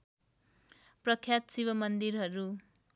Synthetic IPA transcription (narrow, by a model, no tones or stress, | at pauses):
prʌkʰːjat̪siβʌmʌnd̪iɾɦʌɾu